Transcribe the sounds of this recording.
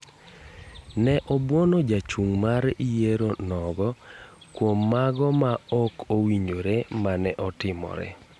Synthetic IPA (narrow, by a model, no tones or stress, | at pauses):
nɛʔɔbwonod͡ʒat͡ʃuŋmaɾijeɾonɔɡɔkwomːaɡɔmaɔkʰowiɲd͡ʒoɾemanɛʔɔtɪmɔ̰ɾɛ̰